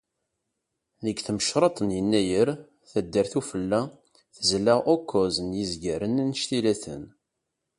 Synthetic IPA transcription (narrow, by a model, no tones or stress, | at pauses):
ðəɡθməʃɾˤɑt̪ˤənjənːæjəɾ | θæd̪ːəɾθufəlːæ | θəzlaʔokːozənjizɡæɾənænəʃt̪ilæθə̰n